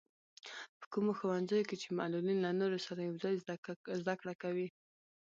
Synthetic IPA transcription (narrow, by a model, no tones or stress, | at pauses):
pə̥kumoxowanzəjoket͡ʃema̰lulinlanoɾosaɾajawzɑjzd̪akɽakawi